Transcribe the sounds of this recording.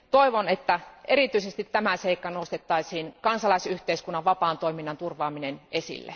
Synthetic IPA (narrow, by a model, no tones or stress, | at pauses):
t̪oiʋonet̪ːæeɾit̪yisest̪it̪ːæmæseikːɑnost̪et̪ːɑisiːnkɑnsɑlɑisyht̪eiskunːɑʋʋɑpɑːnt̪oiminːɑnt̪urʋɑːminenesḭlːḛ